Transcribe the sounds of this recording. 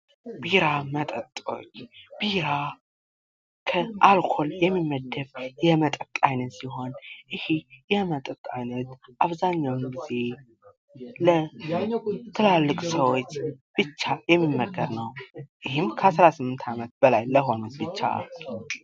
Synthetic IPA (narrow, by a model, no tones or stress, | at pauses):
biɾamət̪ʼət̪ʼo̞̰t͡ʃːb̥iɾa | kʰəʔalkʰo̞ljɛmːimːəd̪ːəβjɛmət̪ʼət̪ʼajnəsiɦo̞nʔɨhijɛmət̪ʼət̪ʼajnət̪ʔaβzaɲːawnɡize̞ | lə | t̪ʰɨlalːɨkʼsəwo̞t͡ʃːb̥ɨt͡ʃːajɛmːimːəɡəɾnəwʔɨhɪmkʰəasɾasɨmːɨnt̪ʰamət̪̚b̥əlajləɦo̞nut̪bɨt͡ʃːa̰l